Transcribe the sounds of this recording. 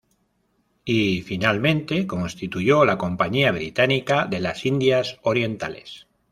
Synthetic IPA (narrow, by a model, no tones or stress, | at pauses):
ifinalmẽ̞nt̪e̞ko̞nst̪it̪uʝo̞lako̞mpaɲiaβ̞ɾit̪anikaðe̞lasind̪jaso̞ɾje̞nt̪a̰le̞̰s